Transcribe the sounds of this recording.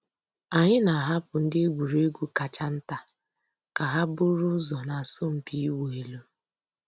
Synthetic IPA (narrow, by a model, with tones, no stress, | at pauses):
a˨ɲɪ˦na˨a˨ɦa˦pʊ˨n̩˦dɪ˦e˦ɡʷu˨ɾe˦ɡʷu˦ka˨t͡ʃa˦n̩˦ta˦ | ka˨ɦa˦bʊ˦ɾʊ˦zɔ˨na˨a˨so˦m̩˨pi˦i˦wo˨e˨lo˦